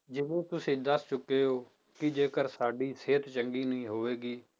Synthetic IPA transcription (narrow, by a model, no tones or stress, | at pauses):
d͡ʒɪʋẽːt̪ʊsĩːd̪əst͡ʃʊkːeːɦoː | kɪd͡ʒeːkəɾsaːɖiːseːt̪t͡ʃəŋɡiːnəĩːɦoːʋeːɡiː